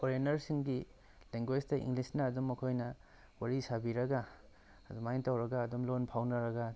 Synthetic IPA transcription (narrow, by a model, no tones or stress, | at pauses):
koɾenɐɾsiŋɡi | leŋɡwed͡ʒtɐḭŋɡlisnɐːdumɐkʰojnɐ | waɾisabiɾɐɡa | ɐdumajntawɾɐɡaːdumlonpʰawnɐɾɐɡa